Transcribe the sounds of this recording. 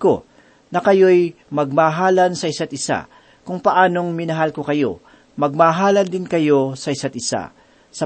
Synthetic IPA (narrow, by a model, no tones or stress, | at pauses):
ko | nɐkɐjo̞j | mɐɡ̚maːɦaːlɐnsɐɪsat̪̚ɪsa̰ | kʊŋpɐʔaːno̞ŋmɪnɐɦalkokɐjo̞̰ | mɐɡ̚maːɦaːlɐnd̪ɪnkɐjo̞sɐʔɪsat̪̚ɪsa̰ | sɐ